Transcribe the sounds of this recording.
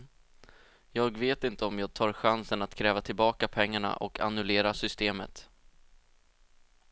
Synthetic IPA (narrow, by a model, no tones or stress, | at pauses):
jɑːɡveːt̪ɪnt̪əɔmjɑːɡ̚t̪ʰɑːɾɧansənat̪kʰɾɛːvat̪ʰɪlbɑːkapʰɛŋːaɳa̰ʔɔ̰kʰa̰nɵleːɾasʏst̪eːmə̰t̪